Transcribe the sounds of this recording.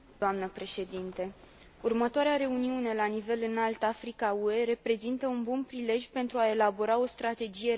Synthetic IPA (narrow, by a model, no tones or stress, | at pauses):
oamnəpɾe̞ʃe̞d̪int̪e̞ | urmət̪oaɾeaɾe̞uniune̞lanive̞lɨnalt̪afɾikaue̞ɾe̞pɾe̞zint̪əunbunpɾile̞ʒʲpe̞nt̪ɾuae̞labo̞ɾao̞st̪ɾat̪e̞d͡ʒije̞